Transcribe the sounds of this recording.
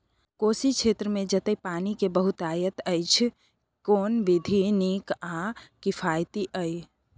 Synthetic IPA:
kosit͡ʃʰet̪ɾəmed͡ʒət̪əjpanikebəɦut̪ajət̪əjt͡ʃʰ | konbid̪ʱinikakipʰajt̪iʔəj

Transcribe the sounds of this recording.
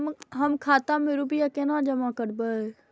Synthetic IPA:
ɦəmkʰaːt̪ameɾupɪjakenãd͡ʒəmakəɾbə

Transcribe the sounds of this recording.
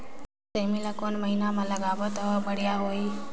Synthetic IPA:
semilakonməɦinaməlaɡabət̪əʋəbəɽjaɦoi

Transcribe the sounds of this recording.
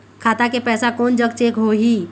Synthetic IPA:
kʰaːt̪akepɛːsakɔːnd͡ʒəɡ̚t͡ʃeːkɦoɦiː

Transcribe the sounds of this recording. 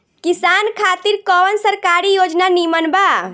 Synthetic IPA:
kisankʰat̪iɾkɔʋənsəɾkaɾijod͡ʒnanimənba

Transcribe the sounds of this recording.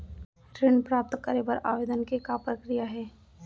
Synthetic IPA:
ʈɾeːnpɾaːp̚t̪kəɾebəɾa̰ːʋeːd̪ənkekapɾəkɾijaɦɛː

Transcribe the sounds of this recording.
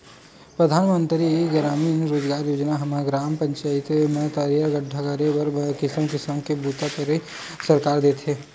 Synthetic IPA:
pɾəd̪ʱaːnmə̃nt̪ɾieɡɾaːmiːnɾoːd͡ʒɡaːɾjoːd͡ʒnaɦɐmaɡɾaːmpə̃ɲt͡ʃaːɪt̪emet̪aːɾjəɡəɖʱakɐɾebɐɾkɪsəmkɪsəmkebuːt̪apɐɾe | sɐɾkaːɾd̪eːt̪ʰeː

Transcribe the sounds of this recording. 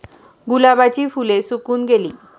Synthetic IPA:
ɡulabat͡ɕifulesukunɡeli

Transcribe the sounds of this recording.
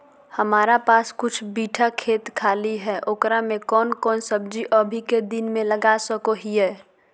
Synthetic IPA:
həmaːɾapaːskʊt͡ʃʰbiːʈʰakʰeːt̪kʰaːliɦɛːʔoːkɾamẽkɔːnkɔːnsəb̚d͡ʒiʔɔbʱiked̪ɪnmẽləɡasəkoɦiɦɛː

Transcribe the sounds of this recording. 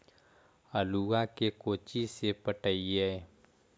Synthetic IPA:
əluakekoːt͡ʃisepəʈəiɦɛː

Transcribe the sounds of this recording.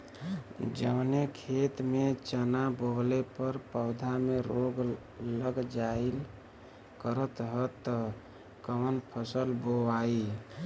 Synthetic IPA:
d͡ʒəʋnekʰet̪met͡ʃənabolepəɾpəʊd̪ʱameɾoɡ | ləɡd͡ʒail | kəɾət̪ɦət̪ːə | kəmənpʰəsəlboai

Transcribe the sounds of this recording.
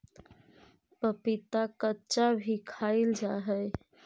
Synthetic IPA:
pəpit̪akətːʃabʱikʰaild͡ʒaɦəj

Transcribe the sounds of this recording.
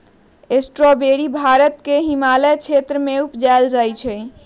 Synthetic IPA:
esʈɾɔbeɾibʱaɾət̪keɦimalɛt͡ʃʰet̪ɾəmeupd͡ʒaeld͡ʒajt͡ʃʰɛ

